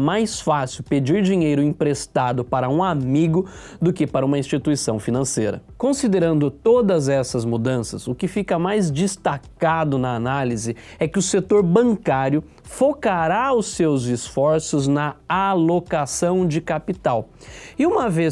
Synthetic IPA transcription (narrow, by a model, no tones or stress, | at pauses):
majsfasɪwped͡ʒiɾd͡ʒiɲejɾʊĩpɾest̪ad̪ʊpaɾɐũamiɡʊ | d̪ʊkɪpaɾɐũmɐĩst͡ʃit̪uisɐ̃w̃finɐ̃sejɾɐ̰kõsid̪eɾɐ̃nd̪ʊt̪od̪ɐzɛsɐzmud̪ɐ̃sɐsʊkɪfikɐmajzd͡ʒist̪akad̪ʊnɐanalizɪɛkɪʊset̪oɾbɐ̃ŋkaɾjʊ | fokaɾaʊsewzɪsfɔɾsʊznɐalokasɐ̃w̃d͡ʒɪkapit̪awɪũmɐve